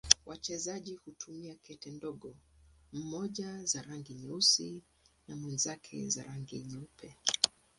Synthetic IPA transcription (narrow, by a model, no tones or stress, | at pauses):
wʔat͡ʃɛzaʄihutʰumiakɛtɛndɔɠɔm̩mɔʄazaɾaŋɡiɲɛusi | namwɛnzakʰɛ̰za̰ɾaŋɡiɲɛupʰɛ